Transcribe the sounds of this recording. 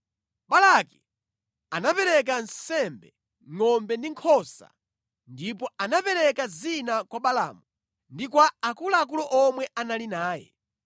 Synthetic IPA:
ɓalaki | anapɛɾɛk̬ansɛmbɛ | ŋɔmbɛndiŋkʰɔsa̰ | ndipɔanapɛɾɛkazinakwaɓala̰ːmu | ndikwaːkulaːk̬ulɔʔɔmwɛʔanalinaːjɛ̰

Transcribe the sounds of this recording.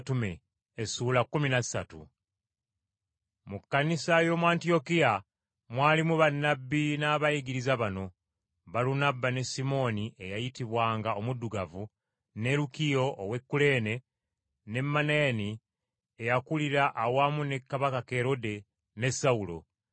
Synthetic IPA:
tumeː | suːlakːuminassa̰tṵ | mukːanisajo̞mwaːntio̞kija | mwaːlimuβanːabːinaːβajiɡiɾizaβano̞ | βalunabːane̞simo̞ːniʔe̞jajitiβwaːŋɡao̞mudːuɡavu | ne̞ɾukijo̞̰ːwe̞kːule̞ːne̞ | ne̞mːaneni | ejakuliɾaʔawamune̞kːaβakake̞ɾo̞de̞ | ne̞sːaulo̞̰

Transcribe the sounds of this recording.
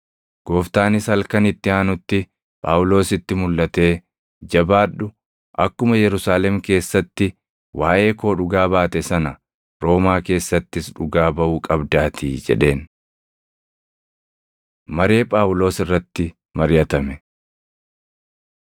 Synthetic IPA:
ɡ̥o̞ːft̪aːnɪshɐlkɐnɪt̪ːɪaːnʊt̪ːɪ | pʼa̰ːwʊlo̞ːsɪt̪ːɪmʊlːɐt̪e̞ː | d͡ʒɐbaːᶑʊ | ʔɐkːʊmɐjɛɾʊsaːlɛmke̞ːsːɐt̪ːɪ | wʔaːʔe̞ːko̞ːᶑʊɡaːbaːt̪ɛsɐnɐ | ɾo̞ːmaːke̞ːsːɐt̪ːɪsᶑʊɡaːbɐʔuːkʼɐbd̪aːt̪ʰiːd͡ʒɛ̰ᶑe̞ːn | mɐɾe̞ːpʼaːʊlo̞ːsɪrːɐt̪ːɪ | mɐɾjɐt̪ɐmɛ

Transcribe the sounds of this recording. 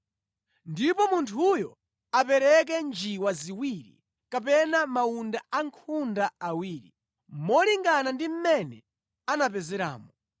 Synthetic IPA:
ndipɔmuntʰujɔ | apɛɾɛk̬ɛnd͡ʒiwaziwiɾḭ | kapɛnamaundaaŋkʰundaawiːɾḭ | mɔliŋɡanandim̩mɛnɛ | anap̬ɛzɛɾa̰ːmɔ

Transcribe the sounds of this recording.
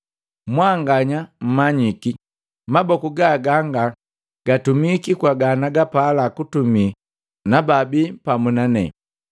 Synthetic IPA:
mwaŋɡaɲam̩maɲiki | mabɔkuɡaɡaŋɡa | ɡ̥atumikikwaɡanaɡapalakutumi | nababipamunanɛ̰

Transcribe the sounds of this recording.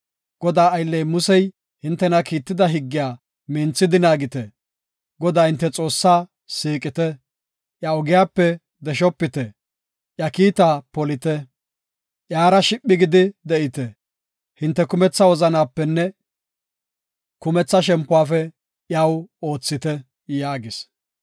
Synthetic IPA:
ɡ̥ɔd̪aːjlːɛjmʊsɛj | hɪnt̪ːɛnɐkiːt̪ːɪd̪ɐɦɪɡːɪjaː | mɪnt͡sːɪd̪ɪnaːɡɪt̪ɛ | ɡɔd̪aːhɪnt̪ːɛt͡sʼo̞ːsːaː | siːkʼɪt̪ɛ | ʔjaɔɡɪjaːpːɛ | d̪ɛʃ̬ɔpːɪt̪ɛ | ʔjɐkiːt̪aːpɔlɪt̪ɛ | ʔjaːɾɐʃɪpʼːɪɡɪd̪ɪd̪ɛʔɪt̪ɛ | hɪnt̪ːɛkʊmɛt͡sːɐwɔzɐnaːpːɛnːɛ | kʊmɛt͡sːɐʃ̬ɛmpːʊwaːfɛ | ʔjaːwo̞ːt͡sːɪt̪ɛ | jaːɡɪs

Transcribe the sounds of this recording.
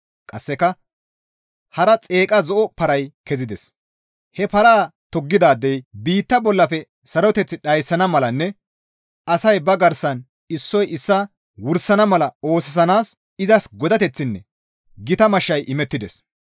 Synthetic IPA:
kʼɐsːɛkɐ | hɐɾɐt͡sʼe̞ːkʼɐzɔʔɔpɐɾɐjkɛzɪd̪ɛs | hɛpɐɾaːt̪ɔɡːɪd̪aːd̪ːɛjbiːt̪ːɐbɔlːɐfɛ | sɐɾɔt̪ɛt͡sːɪɗɐjsːɐnɐmɐlɐnːɛ | ɐsɐjbɐɡɐɾsɐn | ɪsːɔjɪsːɐ | wʊɾsɐnɐmɐlɐo̞ːsɪs̬ɐnaːs | ɪzɐsɡɔd̪ɐt̪ɛt͡sːɪnːɛ | ɡɪt̪ɐmɐʃːɐjʔɪmɛt̪ːɪd̪ɛs

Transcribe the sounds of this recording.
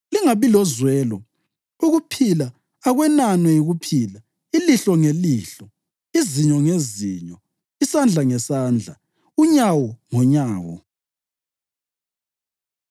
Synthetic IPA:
liŋaβilɔzwɛːlɔ | uɣupʰilaː | ɣwɛnanwɛjiɣupʰiːla | iliɬɔŋeliːɬɔ | iziɲɔŋeziɲɔ | isand͡ɮʱaŋɛsaːnd͡ɮʱa̰ | uɲawɔŋɔɲaːwɔ̰

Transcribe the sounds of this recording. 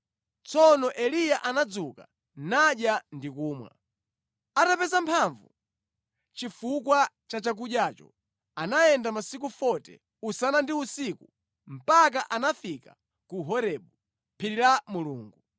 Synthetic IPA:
t͡sɔnɔʔɛlijaʔanad͡zuka | naɗjandikuːmwa̰ | atapɛzampʰaɱvṵ | t͡ʃifukwa | t͡ʃat͡ʃak̬uɗjaːt͡ʃɔ̰ | anajɛndamasik̬ufɔtɛ̰ | usanandiusiku | m̩pak̬aʔanafika | kuɦɔɾɛɓu | pʰiɾiɾamuluːŋɡu

